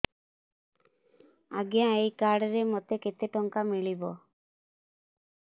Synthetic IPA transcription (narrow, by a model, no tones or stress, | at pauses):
a̰ɡjãejkaɽɾemot̪eket̪eʈɔŋkamiɭibɔ